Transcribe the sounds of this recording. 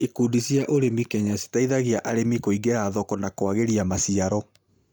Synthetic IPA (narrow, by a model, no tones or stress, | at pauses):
ikuːdisjaʔoɾemikɛɲasi̥taiðaɣiaʔaɾemikoiɡeɾaːðɔkɔnakwaɣeɾiamasiaɾɔ